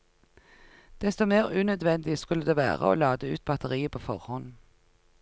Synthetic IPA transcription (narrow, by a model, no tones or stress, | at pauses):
d̪̥ɛst̪ɔmeːʁʉːnœd̪ʋɛnd̪ɪskʉləd̪eːʋæ̰ːʁə̰o̰ːlɑːd̪əʉːt̪̚bɑt̪əʁiːəpʰoːfɔʁhɔn